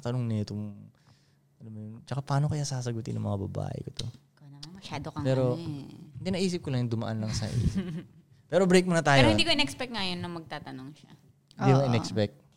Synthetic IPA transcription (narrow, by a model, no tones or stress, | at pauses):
t̪ɐnoŋnɐt̪ʊŋ | ʔɐlamːjʊnt͡ʃɐkapɐaːno̞kɐjasaːsɐɡʊt̪ɪ̰nːɐ̰ŋmɐŋabɐ̰ba̰ːʔɛ̰kot̪o | kːnɐmmɐʃaːd̪okɐpɛːɾok̪ɪnɐʔiːs̬ɪp̚kolɐŋɪnd̪ʊmɐʔanlɐŋsɐʔḭːs̚ | pɛːɾo̞bɾejk̚mɐnɐt̪aːjɾohɪnd̪iːkoɪnɛkspɛk̚t̪ŋɐjonːɐmɐɡ̚t̪aːt̪ɐnoŋʃɐ̰ | hɪnikʔɪnɛkspɛk̚t̪̚